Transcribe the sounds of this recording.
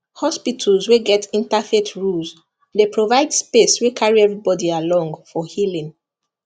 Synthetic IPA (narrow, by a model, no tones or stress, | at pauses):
hɔspitʰəlzweɡɛtĩntafetʰɹulz | depɹovaɪdspeswekʰaɹiɛvɹibɔdialɔ̃ŋɡfɔhilĩŋ